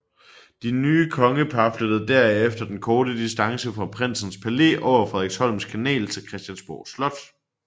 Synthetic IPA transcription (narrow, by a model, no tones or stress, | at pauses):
d̥inyːkʰɒ̽ŋəpʰɑflød̥ð̩ˠd̥æɐ̰efd̥ɐd̥enkʰɒːd̥əd̥isd̥ɑ̈ŋsəfʁɑ̈pʰʁen̰sn̩spʰæle̝̰ːʔɒʊɐfʁɛðˠʁeɡ̥shɒ̽l̰m̩skʰænɛ̰ːlt͡sʰe̝lkʰʁɛsd̥jænsb̥o̰ːslɒ̽d̥